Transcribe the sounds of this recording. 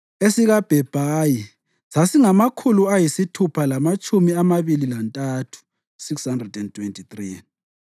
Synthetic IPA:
esiɣab̥ʱɛb̥ʱaji | sasiŋamakʰuluajisitʰupʰalamat͡ʃʼumiamaβililantʼatʰu̥ | sikshandrɛdɛntʰwentʰit̪rin

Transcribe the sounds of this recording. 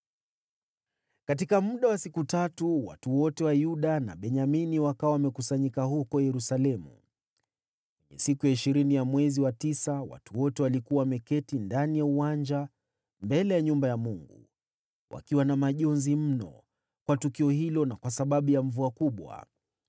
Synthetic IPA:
kat̬ikamuɗawasikutatuwa̰tuwɔtɛwajuɗana̰ɓɛɲaminiwakawawamɛkusaɲikahukɔjɛɾusalɛmṵ | kwɛɲɛ̰sikujaiʃiɾinijamwɛziwatisawa̰tuwɔtɛwalikuwamɛkɛtindanijauwand͡ʒa | mbɛlɛjaɲumbajamuŋɡṵ | wʔa̰kiwanamaʄɔnzim̩nɔ̰ | kwatukiɔhilɔnakwasaɓaɓujaɱ̩vuakuɓwa̰

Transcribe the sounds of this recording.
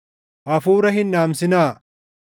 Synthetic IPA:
ʔɐfuːɾɐɦɪnːaːmsɪnaː

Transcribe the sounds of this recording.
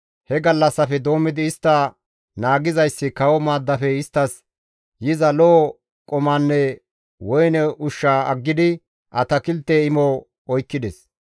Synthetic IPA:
hɛɡɐlːɐsːɐfɛd̪o̞ːmːɪd̪ɪːst̪ːɐ | naːɡɪzɐjsːɪkɐwɔmaːd̪ːɐfɛɪst̪ːɐs | jɪzɐloː | kʼɔmɐnːɛ | wɔjnɛʔʊʃːaːɐɡːɪd̪ɪ | ʔɐ̰t̪ɐkɪlt̪ːeɪmɔ | ɔjkːɪd̪ɛs

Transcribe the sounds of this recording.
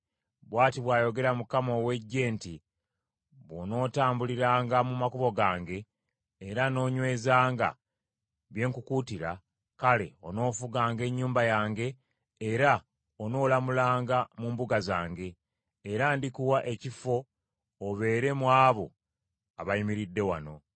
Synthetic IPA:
βwaːtiβwaːjo̞ɡe̞ɾamukamo̞we̞ɟːe̞ːnti | βwo̞no̞ːtaːmbuliɾaːŋɡamumakuβo̞ɡaːŋɡe̞ː | ɾano̞ːɲwe̞ːzaːŋɡa̰ | βje̞ːŋkukutiɾa | kale̞o̞no̞ːfuɡaːŋɡe̞ɲːuːmbajaːŋɡe̞ː | ɾa | ono̞ːlamulaːŋɡamuːmbuɡazaːŋɡe̞ː | ɾaːndikuwaʔe̞cifo̞ː | βe̞ːɾe̞mwaːβo̞̰ | aβajimiɾidːe̞wa̰no̞

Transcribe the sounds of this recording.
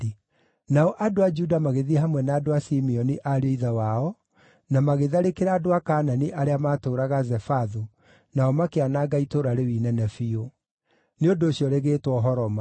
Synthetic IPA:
naɔʔadoad͡ʒudamaɣeðiɛɦamwɛnaːdoasimiɔniʔaɾeiðawaɔ | namaɣeðaɾekeɾaːdoakaːnaniʔaɾeamaːtoːɾaɣazɛfaðo | naɔmakeanaɡaitoɾaɾewinɛnɛfio | neodoːɕjɔɾeɣeːtwɔɦɔɾɔma

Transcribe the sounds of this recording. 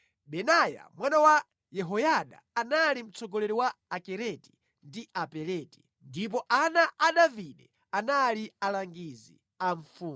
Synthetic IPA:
ɓɛnaja̰mwanawa | jɛɦɔjaɗa̰ːnalim̩t͡sɔɡɔlɛɾiwaakɛɾɛti̥ | ndiapɛlɛːti̥ | ndip̬ɔʔanaʔaɗaviɗɛ | analialaŋɡizḭ | aɱ̩ffuː

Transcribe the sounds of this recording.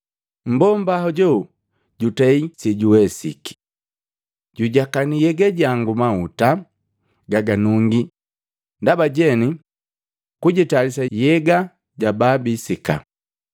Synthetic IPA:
m̩bɔmbahɔɟɔ | ɟutɛisiɟuwɛsḭki̥ | ɟuɟakanijɛɡaɟaŋɡumauta | ɡaɡanuŋɡi | ndabaɟɛni | kuɟitalisajɛɡa | ɟababisika̰

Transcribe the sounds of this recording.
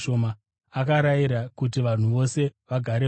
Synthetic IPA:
omaː | kaɾaiɾakut̬iʋan̤uʋo̞se̞ʋaɡʱaɾe

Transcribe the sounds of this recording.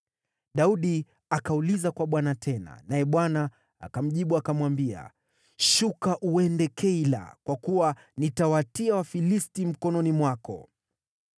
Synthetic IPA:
ɗauɗi | akaulizakwaɓwanatʰɛna̰najɛɓwana | a̰kam̩ʄiɓuakamwambia̰ | ʃukaʔuɛndɛkʰɛila̰kwakuwa | nitawatiawafilistim̩kɔnɔnimwakɔ̰

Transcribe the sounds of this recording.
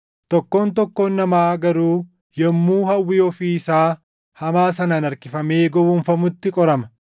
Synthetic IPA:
t̪ɔkːo̞ːnt̪ɔkːo̞ːnːɐmaːɡɐɾuː | jɛmːuːhɐwːɪɔfiːɪsaː | hɐmaːsɐnanɐɾkɪfɐmeːɡɔwunfɐmʊt̪ːɪkʼɔɾɐmɐ

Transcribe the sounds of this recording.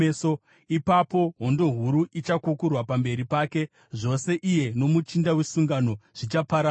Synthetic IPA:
so | ipapo̞ɦo̞ndo̞ɦuɾuʔit͡ʃakukurwapambe̞ɾipaːke̞ | ʐo̞se̞ʔije̞no̞mut͡ʃindawe̞suŋɡano̞ʐ̥it͡ʃapaɾa

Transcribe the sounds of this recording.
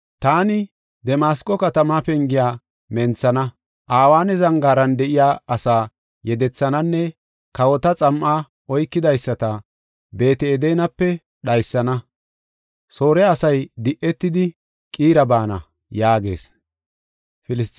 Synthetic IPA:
t̪aːnɪ | d̪ɛmaːskʼɔkɐt̪ɐmapɛŋɡɪjaː | mɛnt͡sːɐnɐ | ʔaːwaːnɛzɐŋɡaːɾɐnd̪ɛʔɪjaːɐsaː | jɛd̪ɛt͡sːɐnɐnːɛ | kɐwɔt̪ɐt͡sʼɐmʔaː | ɔjkːɪd̪ɐjsːɐt̪ɐ | be̞ːt̪ɛːd̪ɛjnɐpːɛ | ɗɐjsːɐnɐ | so̞ːɾɛɐsɐjd̪ɪʔːɛt̪ːɪd̪ɪ | kʼiːɾɐbaːnɐ̰ | jaːɡe̞̰ːs | fɪlɪst

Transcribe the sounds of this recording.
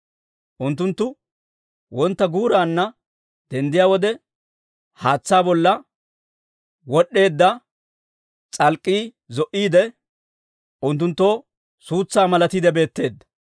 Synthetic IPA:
ʔʊnt̪ːʊnt̪ːʊ | wɔnt̪ːɐɡuːɾaːnːɐ | d̪̥ɛnd̪ɪjaːwɔd̪ɛ | haːt͡sːaːbɔlːɐ | wɔɗːe̞ːd̪ːɐ | t͡sʼɐlkʼːiː | zɔʔiːd̪ɛ | ʔʊnt̪̬ːʊnt̪ːo̞ː | suːt͡sːaːmɐlɐt̪id̪ɛbe̞ːt̪ːe̞ːd̪ːɐ̥

